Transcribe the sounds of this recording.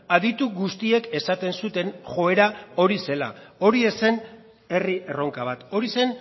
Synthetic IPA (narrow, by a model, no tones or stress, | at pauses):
aðit̪uɣust̪ie̞ke̞sat̪e̞nsut̪e̞nʝo̞e̞ɾao̞ɾise̞la̰o̞ɾie̞se̞n | e̞riʔe̞ro̞ŋkaβ̞at̪o̞ɾise̞n